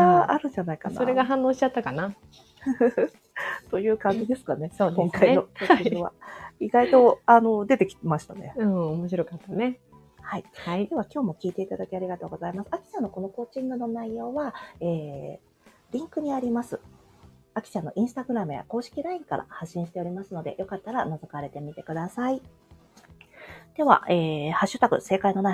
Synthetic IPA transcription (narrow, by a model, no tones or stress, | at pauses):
aaɾɯ̟ɲd͡ʑanaikansa̰oɾeɡaɦãnːo̞ːɕi̥t͡ɕat̪ːakana | t̪o̞jɯ̟ːkãɲd͡ʑid̪e̞sɨ̥kane̞od̪kõ̞ŋkainoooβa̰iɡait̪o̞ano̞d̪e̞t̪e̞kʲi̥t̪emaɕi̥t̪ane̞̰ɯ̃ːomoɕiɾo̞kat̪ːane̞ | haiid̪e̞βakʲo̞ːmo̞kʲiːt̪e̞it̪ad̪akʲiaɾʲiɡat̪o̞ːɡo̞zaimasɨ̥akʲi̥t͡ɕanːo̞ko̞no̞ko̞ːt͡ɕĩŋɡɯ̟no̞naijo̞ːβaeː | ɾʲĩŋkɯ̟ɲ̟iaɾʲimasɨ | akʲi̥t͡ɕãnːo̞̰ʔĩɰ̃sɨ̥t̪aɡɯ̟ɾamɯ̟ja̰ko̞ːɕi̥kʲiɾaĩŋkaɾʔa̰haɕːĩɕi̥t̪e̞o̞ɾʲimasɨno̞d̪e̞̰jo̞kat̪ːaɾanazokaɾe̞t̪e̞mʲit̪e̞kɯ̟d̪asai | d̪̥e̞βa̰ʔeːhaɕːɨt̪akɯ̟̰se̞ːkaino̞na